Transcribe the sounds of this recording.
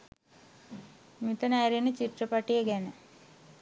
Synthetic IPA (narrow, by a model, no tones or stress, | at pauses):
mit̪ənajɾinət͡ɕiʈrəpaʈijəɡænə